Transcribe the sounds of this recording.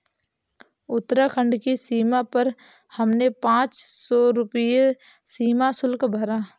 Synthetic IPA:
ʊt̪ːɾakʰə̃ɳɖkisiːmapəɾ | həmnepãːt͡ʃsɔːɾʊpje | siːmasʊlkbʱəɾaː

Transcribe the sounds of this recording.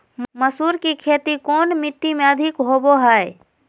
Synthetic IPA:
məsuːɾkikʰeːt̪ikoːnmɪʈːimẽəd̪ʱɪkɦoːboɦaːe

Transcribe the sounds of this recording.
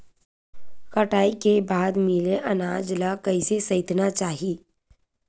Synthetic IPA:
kɐʈaːikebaːd̪mɪleʔɐnaːd͡ʒlakɐisesɐɪt̪nat͡ʃaːɦiː

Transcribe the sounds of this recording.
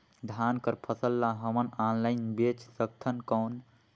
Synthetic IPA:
d̪ʱankəɾpʰəsəlːaɦəmənanlaɪnbet͡ʃʰsək̚t̪ʰənkəwn

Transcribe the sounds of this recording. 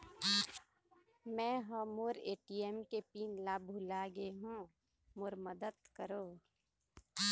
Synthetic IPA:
mɛ̃ɦɔːmoɾeːʈieːmkepiːnlaːbʱulaɡeɦũː | moːɾməd̪əd̪kəɾoː

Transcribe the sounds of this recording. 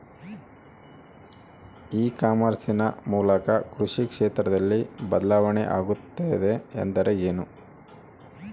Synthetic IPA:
iːkaːmɐɾsinɐmuːlɐkɐkɾuʂikʂeːt̪ɾɐd̪ɐlːibɐd̪ɐlaːʋɐnḛʔaːɡut̪ːejd̪e̞̰ːnd̪ɐɾe̞eːnu

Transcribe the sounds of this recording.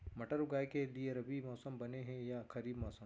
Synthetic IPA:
mɐʈəɾʊɡaːjkelieɐɾɐbʱimɔːsəmbɐneɦɛ̃jakʰɐɾiːbmɔːsəm

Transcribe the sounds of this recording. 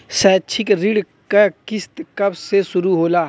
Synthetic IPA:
sɛːt͡ʃʰɪkɾɪɽ | kakɪst̪kɐbsesʊɾuɦoːlaː

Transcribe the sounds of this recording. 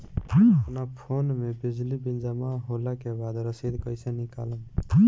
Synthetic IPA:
əpnapʰonmebid͡ʒlibind͡ʒəmaɦolakebad̪ɾəsid̪kəjsẽnikaləm

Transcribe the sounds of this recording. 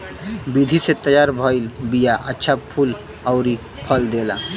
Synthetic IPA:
bid̪ʱiset̪əjaɾbʱɔilbijaʔətːʃʰapʰul | əʊɾi | pʰəld̪ela̰

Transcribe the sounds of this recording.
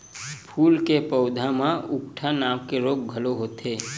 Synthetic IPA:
pʰuːlkepəʊd̪ʱamãʊkʈʰanaːmkeɾoːɡ̚ɡʱəloɦoːt̪eː

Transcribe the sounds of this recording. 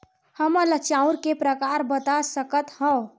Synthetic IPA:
həmələt͡ʃaũɾkepɾəkaɾbət̪asəkət̪ɦə̃

